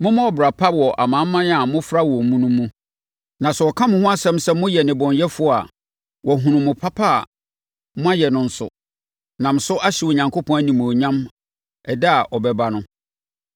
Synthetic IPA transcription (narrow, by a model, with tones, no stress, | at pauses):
mʊ̃˦mʊ̃˦ɔ˨bɾa˨pʰa˦wɔ˨ʔa̰˨mã˨˦m˦mːã˦n˦a˨mʊ̃˦fɾa˦wɔ˨mũ˦nũ˦mũ˦ | nã˨sɛ˨ɔ˨kʰã˦mʊ̃˦hʊ̃˦a˦sɛ̃˦m˦sɛ˦mʊ̃˦jɛ˨nɪ̃˨bɔ̃˨njɛ˦fʊ˨˦ɔ˦a̰˨ | wʔɔ˨ɦũ˨nũ˨mʊ̃˨pʰa˦pʰa̰˦˨ | mʊ̃˦a˦jɛ˨nʊ̃˨n̩˦sʊ̰˨ | nã˨m̩˨sʊ˦ʔa˦ɕɪ˨wo˨ɲã˨ŋkʰo˦pʰɔ̃˦æ˦nĩ˨m̃˨ɔ˨ɲã˦m | ɛ˨dɛ˦a˨ʔɔ˨bɛ˦ba˦nʊ̃˦